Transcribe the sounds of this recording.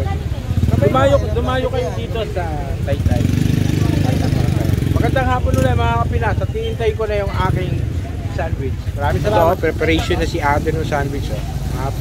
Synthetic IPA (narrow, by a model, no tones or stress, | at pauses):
kɐʊmaːjokd̪ʊmaːjokɐjod̪iːt̪o̞sɐ | lajt̪lajɐlajt̪ɐŋpɐɐt̪ɐ̰jmɐɡɐnd̪aŋɦaːponːʊlɛmɐaɐpɪnasɐt̪iʔɪnt̪ajko̞nɐjʊŋʔaːkɪŋ | sand̪wɪt͡ʃmɐɾaːmɪs̬ɐlaːmɐpɾɛpɐɾejʃonɐsiʔad̪ɛnʊŋsand̪wɪt͡ʃɛap